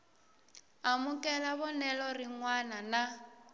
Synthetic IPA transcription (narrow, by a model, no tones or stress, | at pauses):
amukʼɛlaβɔnɛlɔriŋwanana